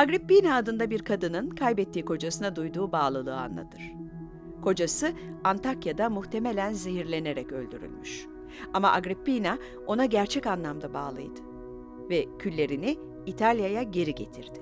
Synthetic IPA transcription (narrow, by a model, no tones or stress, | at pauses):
aɡɾipːinaːd̪ɯnd̪abiɾkʰad̪ɯnɯnkʰajbɛt̪ʰːiːkʰo̞d͡ʒasɯnad̪ujd̪uːbaːlˠɯlˠɯːa̰nlˠa̰t̪ʰɯɾ̥ | kʰo̞d͡ʒasɯant̪ʰakjad̪amuxt̪ʰe̞me̞lʲænziɦiɾlʲe̞ne̞ɾɛcø̞̰lʲd̪yɾy̰lʲmyʃ | ama̰ʔaɡɾipːina | o̞naɟæɾt͡ʃʰɛcanlˠamd̪abaːlˠɯ̰jd̪̥ɯ̥ | vɛcʰylʲːe̞ɾini | it̪ʰalʲjajaɟe̞ɾiɟe̞t̪ʰiɾd̪̥ɪ̥